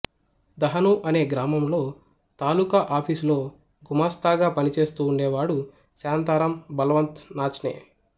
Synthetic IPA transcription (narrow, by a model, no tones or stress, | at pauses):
d̪ɐɦɐnuʔɐne̞ːɡɾaːmɐmlo̞ː | t̪aːlukɐʔaːpʰislo̞ː | ɡumaːst̪aːɡaːpɐnit͡ʃe̞ːst̪uːɳɖeːʋaːɽu | saːnt̪aːɾɐmbɐlɐʋɐnt̪naːt͡ʃnḛː